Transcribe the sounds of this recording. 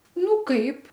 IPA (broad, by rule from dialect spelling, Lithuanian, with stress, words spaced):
ˈnʊ ˈkɐɪp